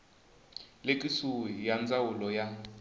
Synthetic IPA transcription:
lekʼisuijand͡zawulɔja

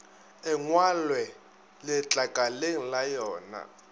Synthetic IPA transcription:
ɪŋwalwɛ | lɪt͡ɬʼakʼaleŋ̩lajɔːna̰

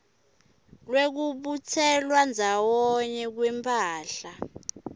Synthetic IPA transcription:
lwek̬uɓut͡sʰɛlwand͡zʱawɔɲɛk̬wɛmpʰʼaːɬa

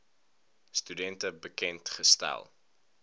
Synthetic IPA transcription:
stydɛntəbəkɛntχəstæ̰lˠ

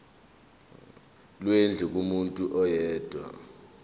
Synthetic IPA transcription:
lwend͡ɮʱukʼumuntʼuʔɔjɛːd̥ʱwa̰

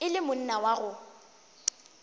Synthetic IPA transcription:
ɪlɪmʊn̩nawaɣʊ

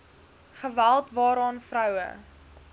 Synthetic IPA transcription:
χəvælˠtvɑːɾɑːnfrœwə̰

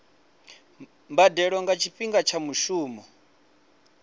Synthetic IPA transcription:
mbadɛɺɔŋɡat͡ʃʰiɸʼiŋɡat͡ʃʰamuʃuːmɔ

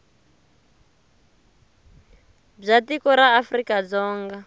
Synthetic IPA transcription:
b͡ʐatikɔɾaːfrikad͡zɔːŋɡa

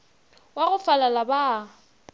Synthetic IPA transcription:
waɣʊfalalaba

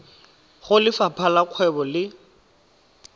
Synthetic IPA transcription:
χʊlɪfapʰalaq͡χʰwɛbɔlɪ

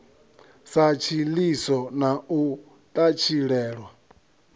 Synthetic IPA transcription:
sat͡ʃʰilisɔnau | t̪ʼat͡ʃʰiɺɛːɺwa

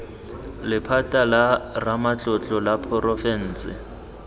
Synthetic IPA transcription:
lɪpʰatʼalaramat͡ɬʼɔt͡ɬʼɔlapʰɔrɔfɛn̩ːt͡sʼɪ̰

